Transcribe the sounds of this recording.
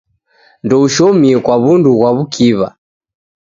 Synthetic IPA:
ndɔuʃɔmiɛkwaβunduɣwaβukʰiβa̰

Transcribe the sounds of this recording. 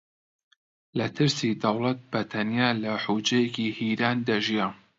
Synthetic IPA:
lɐt̪ʰɨɾsid̪ɐwlˠɐt̪̚b̥ɐt̪ʰɐnjaːlɐħud͡ʒɐjɛkihiːɾaːnd̪ɐʒija

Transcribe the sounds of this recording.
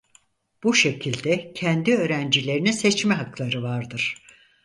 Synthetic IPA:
b̥uʃe̞cʰilʲd̪ɛcʰɛnd̪iø̞ːɾænd͡ʒilʲe̞ɾininset͡ʃmɛɦaklˠaɾɯvaɾd̪ɯɾ̥

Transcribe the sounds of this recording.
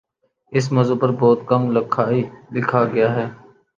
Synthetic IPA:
ɪs̬mɐzopɐɾbɔːt̪̚kɐmlɪkʰaːilɪkʰaɡɐjaːɦɛː

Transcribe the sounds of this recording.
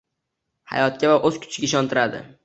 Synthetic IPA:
ha̰jɒt̪̚kʲavaʔɵzkʲʰʊ̥t͡ʃʰɪɡʲaɪʃɒnt̪ʰɪɾad̪ɪ̰

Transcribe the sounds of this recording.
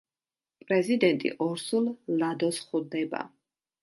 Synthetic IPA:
pʼɾɛzid̪ɛnt̪ʼḭʔɔɾsullad̪ɔsχud̪ɛba̰

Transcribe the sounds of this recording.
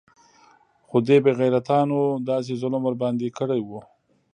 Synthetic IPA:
xod̪ebeɣajɾat̪ɑnod̪ɑs̬ezʊləmwəɾbɑnd̪ekəɽajwu

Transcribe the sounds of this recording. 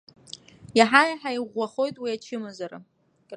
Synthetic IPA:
jaħajaħaiʁʷːaχo̞jtʼwiat͡ʃʰɪmazaɾa̰ | kʼ

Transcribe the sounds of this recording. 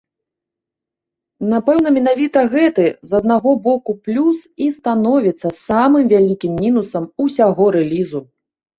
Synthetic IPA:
napɛwn̪ɐmʲin̪avʲit̪ɐɣɛt̪ɨzɐd̪̚naɣɔbɔkuplʲusist̪anɔvʲit̪sːɐsamɨmvʲalʲikʲimːʲinusɐmusʲaɣɔɾɛlʲizu

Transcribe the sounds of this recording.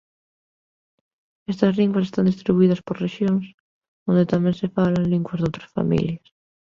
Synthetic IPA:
est̪ɐzliŋɡwas̬est̪and̪ist̪ɾiβuið̞ɐspoɾreʃjoŋs | ond̪et̪amẽnsefalanliŋɡwazðowt̪ɾasfa̰mḭljas

